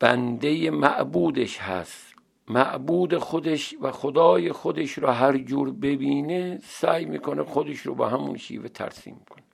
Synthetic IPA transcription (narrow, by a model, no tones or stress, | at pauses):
b̥ænd̪e̞jemæʔbuːd̪eʃhæ̰st̪ | mæʔbuːd̪exod̪eʃvæxod̪ɒːjexod̪eʃɾɒːɦæɾd͡ʒuːɾbe̞biːnesæːjmiːkʰonexod̪eʃɾobɒ̰ːɦæmṵnʃḭːvet̪ʰæ̰ɾsḭːmːikʰone